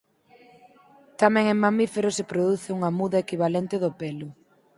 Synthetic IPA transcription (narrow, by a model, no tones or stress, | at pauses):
t̪amɛ̃ŋeŋmamifeɾʊsepɾoðuθɪuŋɐmuðɐekiβ̞alɛnt̪ɪðʊpɛlʊ